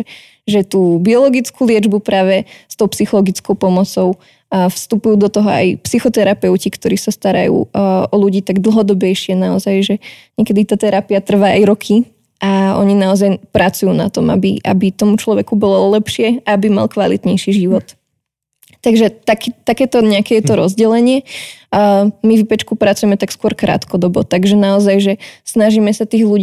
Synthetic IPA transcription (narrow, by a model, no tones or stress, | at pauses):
ʒɛt̪uːbiɔlɔɡit͡skʰulɪɛd͡ʒbupɾaːʋɛst̪ɔʊpsixɔlɔɡit͡skɔʊpɔmɔt͡sɔʊ | fst̪upujuːd̪ɔt̪ɔɦɔa̰jpsixɔt̪ɛɾapɛʊcikt̪ɔɾiːsast̪aɾa̰jṵːʔɔluɟiːt̪aɡd̪l̩ˠɦɔd̪ɔbɛjʃɪɛnaɔzajʒɛɲɛkɛd̪it̪aːt̪ɛɾapiat̪r̩ʋaːʔajɾɔkʰi | ʔaɔ̰ɲinaɔzajpɾat͡sujuːna̰t̪ɔma̰bḭʔa̰bit̪ɔmut͡ʃlɔʋɛkubɔlɔlɛpʃɪɛaabima̰lˠkʋalḭt̪ɲɛjʃiʒiʋɔt̪ː | aɡʒɛt̪akt̪akɛːt̪ɔɲɛakɛjɛt̪ɔɾɔzɟɛlɛɲɪɛ | mivipɛt͡ʃkupɾat͡sujɛmɛt̪akskʊɔɾkɾʔa̰ːt̪kɔd̪ɔbɔt̪aɡʒɛnaɔzajʒɛsnaʒiːmɛsat̪iːɣlu